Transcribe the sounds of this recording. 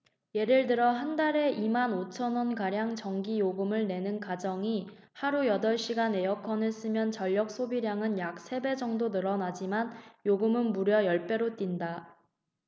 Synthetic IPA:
je̞ɾɯɭdɯɾʌɦandaɾe̞ʔimanot͡ɕʰʌnwʌnkaɾjaŋt͡ɕʌŋɡijoɡɯmɯɭne̞nɯnkad͡ʑʌŋi | haɾujʌdʌɭɕ͈iɡane̞jʌkʰʌnɯɭs͈ɯmjʌnt͡ɕʌʎːʌk̚s͈ʰobiɾjaŋɯnjak̚s͈ʰe̞be̞d͡ʑʌŋdonɯɾʌnad͡ʑimanjoɡɯmɯnmuɾjʌjʌɭp͈e̞ɾot͈inda

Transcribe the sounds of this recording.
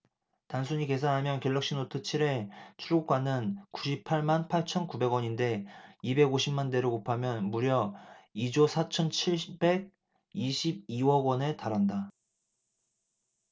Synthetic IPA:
tansʰuɲike̞s̬ʰanɦamjʌnkeɭːʌk̚ɕ͈inot͈ʰɯt͡ɕʰiɾe̞t͡ɕʰuɾɡok͈wanɯnkuɕʰipʰaɭmanpʰaɭt͡ɕʰʌnkube̞ɡwʌɲinde̞ibe̞ɡoɕʰimmande̞ɾokopʰamjʌnmuɾjʌid͡ʑosʰat͡ɕʰʌnt͡ɕʰiɭbe̞ɡ̚ | iɕʰib̚iwʌɡwʌne̞taɾanda

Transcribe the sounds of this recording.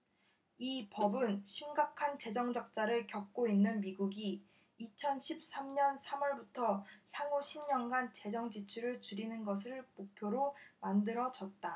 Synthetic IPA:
ipʌbɯnɕʰimɡakʰant͡ɕe̞d͡ʑʌŋd͡ʑʌk̚t͡ɕ͈aɾɯɭkjʌk̚k͈oinːɯnmiɡuɡiː | t͡ɕʰʌnɕʰip̚s͈amɲʌnsʰamʌɭbutʰʌsʰaŋuɕʰimɲʌnɡant͡ɕe̞d͡ʑʌŋd͡ʑit͡ɕʰuɾɯɭt͡ɕuɾinɯnɡʌs̬ʰɯɭmok̚pʰjoɾomandɯɾʌd͡ʑʌt̚t͈a

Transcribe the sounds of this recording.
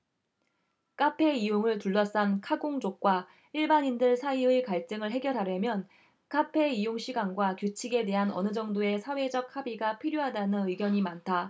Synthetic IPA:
k͈apʰe̞ijoŋɯɭtuɭːʌs͈ankʰaɡoŋd͡ʑok̚k͈wa | iɭbaɲindɯɭsʰaiɯkaɭt͡ɕ͈ɯŋɯɭɦe̞ɡjʌɾɦaɾjʌmjʌn | k͈apʰe̞ijoŋɕʰiɡanɡwakjut͡ɕʰiɡe̞de̞ɦanʌ̰nɯd͡ʑʌŋdoe̞sʰawe̞d͡ʑʌk̚habiɡapʰiɾjoɦadanɯnɯiɡjʌɲimantʰa

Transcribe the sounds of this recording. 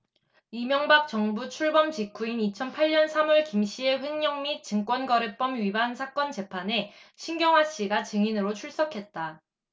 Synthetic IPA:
imjʌŋbak̚t͡ɕ͈ʌŋbut͡ɕʰuɭbʌmd͡ʑikʰuinit͡ɕʰʌnpʰaɭɲːʌnsʰamuɭkimɕ͈ie̞ɸɯnɲʌŋmik̚t͡ɕɯŋk͈wʌnɡʌɾɯp͈ʌmɥibansʰak͈ʌnd͡ʑe̞pʰane̞ɕʰinɡjʌŋwaɕ͈iɡat͡ɕɯŋinɯɾot͡ɕʰuɭs͈ʌkʰe̞t̚t͈a

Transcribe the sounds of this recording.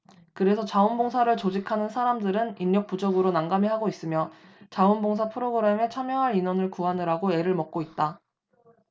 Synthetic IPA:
kɯɾe̞s̬ʰʌt͡ɕaunboŋsʰaɾɯɭt͡ɕod͡ʑikʰanɯnsʰaɾamdɯɾɯninːʌk̚p͈ud͡ʑoɡɯɾonaŋɡamiɦaɡois͈ɯmjʌt͡ɕaunboŋs̬ʰapʰɯɾoɡɯɾe̞me̞t͡ɕʰamjʌŋɦaɾinwʌnɯɭkuɦanɯɾaɡoe̞ɾɯɭmʌk̚k͈oit̚t͈a

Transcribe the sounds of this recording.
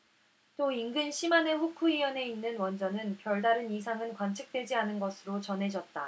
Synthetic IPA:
t͈oiŋɡɯnɕʰimane̞ɸukʰuijʌne̞inːɯnwʌnd͡ʑʌnɯnpjʌɭdaɾɯnisʰaŋɯnkwant͡ɕʰɯk̚t͈we̞d͡ʑianɯnɡʌsʰɯɾot͡ɕʌnɦe̞d͡ʑʌt̚t͈a

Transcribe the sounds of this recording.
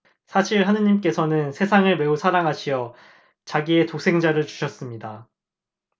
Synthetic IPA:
sʰaɕʰiɭɦanɯɲimk͈e̞sʰʌnɯnsʰe̞sʰaŋɯɭme̞usʰaɾaŋɦaɕʰiʌ | t͡ɕaɡie̞tok̚s͈ʰe̞ŋd͡ʑaɾɯɭt͡ɕu̥ɕʰʌs͈ɯmɲida

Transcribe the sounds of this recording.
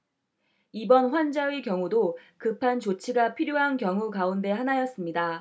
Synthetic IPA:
ibʌnɸwand͡ʑaikjʌŋudokɯpʰant͡ɕot͡ɕʰiɡapʰiɾjoɦankjʌŋukaunde̞ɦanajʌs͈ɯmɲida

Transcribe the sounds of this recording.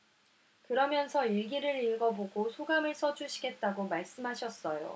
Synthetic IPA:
kɯɾʌmjʌnsʰʌiɭɡiɾɯɾiɭɡʌboɡosʰoɡamɯɭs͈ʌd͡ʑʰuɕʰi̥ɡe̞t̚t͈aɡomaɭs͈ɯmɦaɕʰʌs͈ʌjo̰

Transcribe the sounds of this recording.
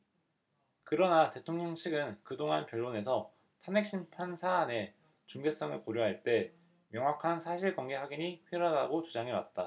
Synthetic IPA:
kɯɾʌnate̞tʰoŋɲʌŋɕʰiɡɯnkɯdoŋanpjʌɭːone̞sʰʌ | tʰane̞k̚ɕ͈inpʰansʰaːne̞ | t͡ɕuŋɡe̞s͈ʌŋɯɭpoɾjoɦaɭt͈e̞ | mjʌŋwakʰansʰaɕʰiɭkwʌŋɡe̞ɦaɡiɲiɸʰiɾadaɡot͡ɕud͡ʑaŋewa̰t̚t͈a

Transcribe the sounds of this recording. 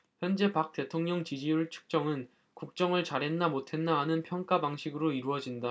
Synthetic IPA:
çjʌnd͡ʑe̞pak̚t͈e̞tʰoŋɲʌŋt͡ɕid͡ʑiuɭt͡ɕʰu̥k̚t͡ɕ͈ʌŋɯn | kuk̚t͡ɕ͈ʌŋɯɭt͡ɕaɾɦe̞nːamotʰe̞nːaːnɯnpʰjʌŋk͈abaŋɕʰiɡɯɾoiɾuʌd͡ʑinda

